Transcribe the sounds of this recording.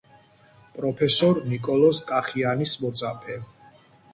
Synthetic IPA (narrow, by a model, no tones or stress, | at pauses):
pʼɾɔpʰɛsɔɾnikʼɔlɔskʼaχianismɔd̪zapʰɛ